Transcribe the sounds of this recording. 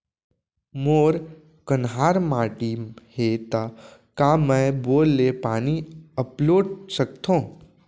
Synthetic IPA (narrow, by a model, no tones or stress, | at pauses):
moːɾ | kənɦaːɾmaːʈihet̪akamɛ̃boːlːepaːniəploːɖsək̚t̪ʰõː